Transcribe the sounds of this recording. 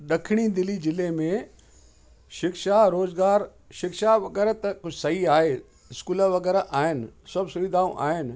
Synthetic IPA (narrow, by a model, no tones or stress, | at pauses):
ɗ̪ɐkʰɪɽ̃id̪ɪlid͡ʒɪlemẽ | ʃɪkʃaɾoːzɡaːɾ | ʃɪkʃaʋɐɡɛːɾət̪ɐkʊt͡ʃʰsɐɦiaːɦeː | ɪskuːləʋɐɡɛːɾaʔaːɦɪnsɐbsʊʋɪd̪ʱaːũʔa̰ːɦɪn̆